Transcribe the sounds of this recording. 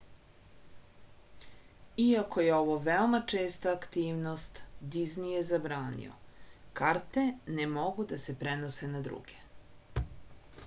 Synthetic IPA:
iako̞jeo̞ʋoʋeomat͡ʂeːst̪aːkt̪iːʋnost̪d̪iznijezabɾaːnḭo̰kaɾt̪e̞nemo̞ɡud̪asepɾenosenad̪ɾṵɡ̥e̥

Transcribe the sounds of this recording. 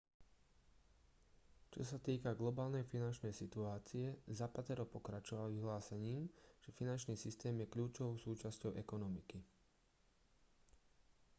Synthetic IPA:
t͡ʃɔsat̪iːkaɡlɔbaːlnɛjfinant͡ʃnɛjsit̪uaːt͡siɛzapat̪ɛɾɔpɔkɾat͡ʃɔʋalʋiɦlaːsɛɲiːmʒ̥ɛfinant͡ʃniːsist̪ɛːmjɛkʎuːt͡ʃɔʋɔʊsuːt͡ʃascɔʊʔɛkɔnɔmiki

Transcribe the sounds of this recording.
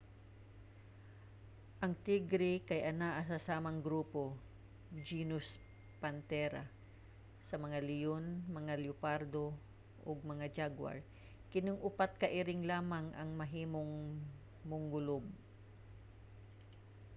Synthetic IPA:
ʔɐŋt̪iɡɾɪkɐjʔɐnaʔɐsɐsaːmɐŋɡɾuːpo̞ | d͡ʒiːnʊs | pɐnt̪ɛɾa | sɐmɐŋalɪjonmɐŋaljʊpaɾd̪o̞ | ʔoɡ̚mɐŋad͡ʒaɡwa̰ɹ | kɪnoŋʔʊpat̪̚kɐʔɪɾɪŋlaːmaŋʔɐ̰ŋmɐɦiːmoŋ | mʊŋɡʊlob̚

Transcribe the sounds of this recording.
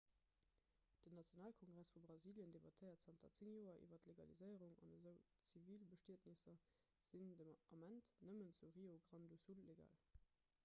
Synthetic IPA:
d̥ənːɑt͡sjonaːlkʰoŋɡʁæsfubʁɑziːljəndebɑtʰəɪɐtz̥ɑntʰɐt͡siŋjoːɐʔḭːvɐtleɡɑlḭzəɪəʁuŋɑ̰nəzəʊt͡siviːlbəʃtiətnisɐ | z̥indəɑmæntnəmənt͡suʁioɡʁɑndusulːeɡa̰ːl

